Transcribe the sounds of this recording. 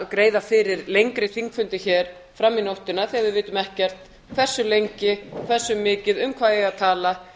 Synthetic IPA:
kɾeːjðafɪɾɪɾlejŋkɾɪθiŋkfʏnt̪ɪçɛːɾ̥ | fɾamːinowht̪ɪnaθiavɪðvɪːt̪ʏmɛhcɛr̥t̪ | kʰv̥ɛr̥sʏlejɲcɪkʰvɛr̥sːʏmːɪːcɪðʏmkʰvaːðjɛɣaðt̪ʰaːla

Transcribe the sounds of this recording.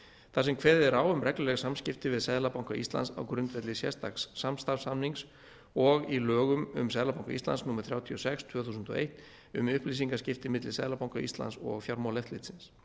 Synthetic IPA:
θasɛmkʰvɛːðɪɛɾaːwʏmrɛklʏlɛɣsamscɪft̪ɪvɪðsɛðlapawŋkaist̪la̰nsa̰wkɾʏnt̪vɛt̪lɪsjɛ̰̥st̪aksːamst̪aɾfsamniŋs | ɔɣilœːɣʏmʏ̰msɛðlapawŋka̰ḭst̪a̰nsnuːmaɾ̥θɾjaːwt̪ʰiɔsɛkst̪ʰvœːθusʏnt̪ɔ̰ḛjht̪ | ʏmʏhpliːsiŋkascɪft̪ɪmɪt̪lɪsɛðlapawŋkaist̪la̰nsɔ̰ɣfjaɾmawlɛft̪lɪt̪sɪns

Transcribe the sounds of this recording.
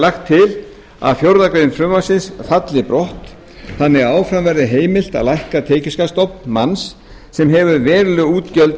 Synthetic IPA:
laxt̪ʰːɪl | a̰ðfjowɾðakɾejɪnfɾʏmːasɪnsfat̪lɪpɾɔht̪ | θanːɪɣaːwfɾamvɛɾðɪɦeːjmɪl̥t̪a̰ðlajhkat̪ʰeːcʏskast̪ɔp̚nmansː | ɛmɦɛvʏɾvɛːɾlʏuːt̪cœlt̪

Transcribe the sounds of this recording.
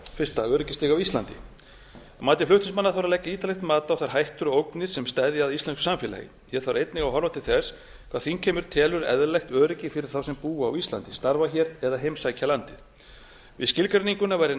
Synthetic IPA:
fɪr̥st̪aœːɾɪcɪst̪ɪɣawist̪lant̪ɪ̰ | maːt̪ɪflʏht̪ɪnsmanːaθawɾalɛjcːaiːt̪alɛht̪maːt̪aawθaɾ̥ɦajht̪ʏɾowknɪɾ̥sɛmst̪aðɪaðist̪lɛnsksamfjɛlɛ̰jɪ̰ | jɛɾ̥θawɾejt̪nɪɣawɦɔɾvat̪ɪlθɛs | kʰv̥aːθincʰɛːmʏɾ̥t̪ʰɛːlʏɾɛ̰ðlɛxt̪œːɾɪcɪfɪɾɪɾ̥θawsɛmpuːa̰ːwist̪la̰nt̪ɪst̪aɾvaçɛɾɛðaɦejmsajcʰalant̪ɪð̥ | vɪ̰ðscɪlkɾɛniŋkʏnavajɾɪ

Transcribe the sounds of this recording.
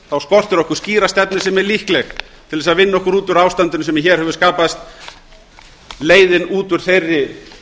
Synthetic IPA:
θawskɔr̥t̪ʏɾɔhkʏ̥sciːɾast̪ɛpnɪ̥sɛmɛɾlihklɛx | t̪ʰɪlðɛsaðvɪnːɔhkʏɾuːt̪ʏɾawst̪ant̪ʏnʏsɛmɪçɛːɾ̥hɛvʏskaːpast̪ | leːjðɪnuːt̪ʏɾ̥θejrːɪ

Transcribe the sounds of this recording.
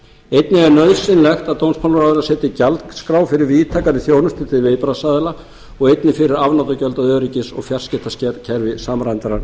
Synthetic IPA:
ejt̪nɪɛaɾnœðsɪnlɛxt̪aðt̪ownspʰanɾaːðɪlasɛːt̪ɪcalt̪kskɾawfɪɾɪɾviːt̪ʰaːkanɪθjownʏst̪ʰɪ̥t̪ʰɪlvejpɾasaːðɪla | ɔɣejt̪nɪfɪɾɪɾavnawt̪acœlt̪aðœːɾicɪsɔ̰ɣfjar̥scɛht̪ascɛcʰɛɾvɪsamɾajnt̪aɾan

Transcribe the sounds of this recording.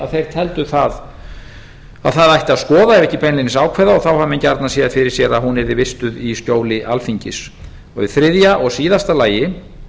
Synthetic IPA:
a̰ðθejɾ̥t̪ʰɛlt̪ʏθað | a̰ðθaðajht̪ɪaðskɔːðaɛɾvɛhcɪpɛnlɪnɪsaːwkʰvɛːðaɔɣθawhamɛncaɾt̪nasjɛafɪɾɪɾ̥sjɛɾaðhunɛɾðɪvɪst̪ʏðiscoːwlɪʔalfiɲcɪs | ɔɣɪθɾɪðjaʔɔɣsiːðast̪alaːjɪ

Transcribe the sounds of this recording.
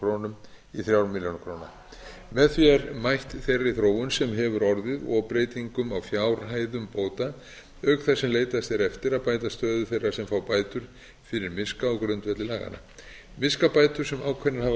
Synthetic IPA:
ɾoːnʏm | iθɾjaːwɾmiljonakʰɾoːna̰ | mɛðθviɛɾmajht̪θejraiθɾoːwʏnsɛmɦɛvʏɾɔɾðɪðɔpɾejt̪iŋkʏmawfjawɾɦaːjðʏmpoːwt̪a | œkθasɛmleːjt̪ast̪ɛɾɛft̪ɪɾaðpaːjt̪ast̪œːðʏθejrːasɛmfawpaːjt̪ʏɾ̥ | fɪɾɪɾmɪskaɔɣkɾœnt̪vɛt̪lɪlaːɣa̰na̰ | mɪskapaːjt̪ʏɾ̥sɛmawkʰvɛnahav

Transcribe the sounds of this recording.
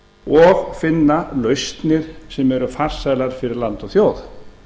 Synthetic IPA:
ɔɣfɪnːalœɥst̪nɪɾ̥sɛmɛɾʏfar̥sajlaɾ̥fɪɾɪɾlant̪ɔɣθjoːwθ

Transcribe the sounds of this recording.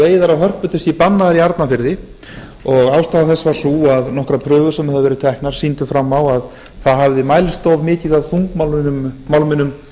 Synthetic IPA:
eːjðaɾaɦœr̥pʏt̪ɪst̪ipanːaðaɾiaɾt̪nafɪɾðɪ | ɔɣawst̪aːðaθɛsːvaɾ̥suaðnɔhkɾapʰɾœːɣʏɾ̥sɛmhaðvɛɾʏt̪ʰɛhknaɾ̥siːnt̪ʏfɾamːawað | θaðɦavðɪmajlst̪owvmɪːcɪðawθuŋkmalmmːawlmɪnʏm

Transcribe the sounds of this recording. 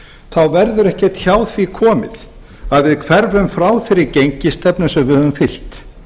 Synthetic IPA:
θawvɛɾðʏɾɛhcɛt̪çaːwθvikʰɔːmɪ̰θ | aðvɪðkʰv̥ɛɾvʏmfɾaːwθɪɾɪɾcejɲcɪst̪ɛpnʏsɛmvɪðhœvʏmfɪl̥t̪

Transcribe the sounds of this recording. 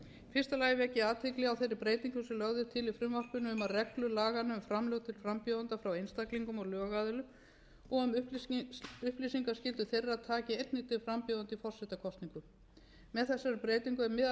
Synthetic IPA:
fɪr̥st̪alaːjvɛhcɪaːt̪ʰɪklɪawθejrːɪpɾeːjt̪iŋkʏsɛlœɣðʏt̪ʰɪlifɾʏmvɔr̥pʏnʏʏmaðrɛklʏlaːɣanʏmfɾamlœɣt̪ʰɪlfɾampjɔðʏnt̪afɾawejnst̪akliŋkʏmɔɣlœːɣaːðʏlʏm | ɔɣʏm | ʏhplisiŋkascɪlt̪ʏθejrːaaðt̪ʰaːcɪejt̪nɪt̪ɪfɾampjɔðʏnt̪ifɔr̥sɛht̪akʰɔst̪niŋkʏ | mɛðθɛsːaɾʏpɾeːjt̪iŋkʏɛɾmɪð

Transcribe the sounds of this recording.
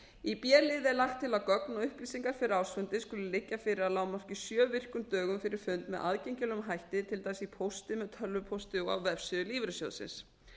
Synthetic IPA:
ipjɛːlɪðɛɾlaxt̪ʰːɪlawkœknɔʏhpliːsiŋkaɾ̥fɪɾɪɾawsfʏnt̪ɪskʏlʏlɪcːafɪɾɪɾaðlaːwmar̥cɪsjœːvɪr̥kʏmt̪œːɣʏmfɪɾɪɾ̥fʏnt̪mɛðʔa̰ðcejɲcɪlʏmɦajht̪ɪt̪ʰɪlt̪asipʰowst̪ɪmɛðt̪ʰœlvʏpʰowst̪ɪɔa̰wvɛfsɪʏliːvɾʏsjo̰wðsɪ̰ns

